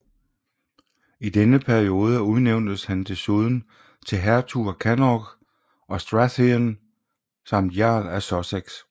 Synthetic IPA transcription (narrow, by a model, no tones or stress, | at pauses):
id̥enəpʰæɐio̝ːð̞ˠəuðˠneʊnd̥əshænt͡sʰe̝suð̞ˠn̩ | t͡sʰe̝ɦæɐt͡sʰukʰænɒɡ̥ | ʔɒ̽sd̥ʁasin | sɑ̈m̰d̥jɑ̰̈ːlæsɒseɡ̥s